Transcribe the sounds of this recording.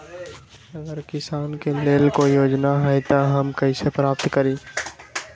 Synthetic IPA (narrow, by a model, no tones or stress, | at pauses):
ɐɡəɾkɪsaːnkeleːlkoijoːd͡ʒnaɦɛet̪aɦɐmkɐisepɾaːpt̪kəɾiː